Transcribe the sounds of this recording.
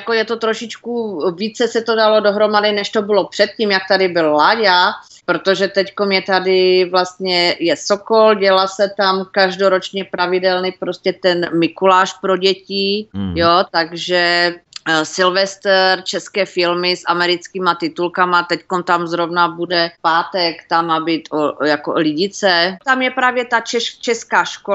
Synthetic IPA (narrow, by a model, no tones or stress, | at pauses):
jakojɛt̪ot̪ɾoʃɪt͡ʃkuviːt͡sɛsɛt̪odalo̞do̞ɦɾo̞madɪnɛʃt̪obɪlo̞pr̥ɛt̪̚ciːmjak̚t̪adɪbɪlːaɟa | pɾot̪oʒɛt̪ɛckomjɛt̪adɪvlast̪ɲɛjɛsokolɟɛlasɛt̪amkaʒdoɾot͡ʃɲɛpɾavɪdɛlnɪpɾoscɛt̪ɛnmɪkulaːʃpɾo̞ɟɛcɪjot̪aɡʒɛ | sɪlvɛst̪ɛɾt͡ʃɛskɛːfɪlmɪsʔamɛɾɪt͡skiːmat̪ɪt̪ulkamat̪ɛckomt̪amzɾovnabudɛpaːt̪ɛkt̪amabit̪ʔojakolɪɟɪt͡sɛt̪amjɛpɾaːvjɛt̪at͡ʃɛt͡ʃɛskaːʃko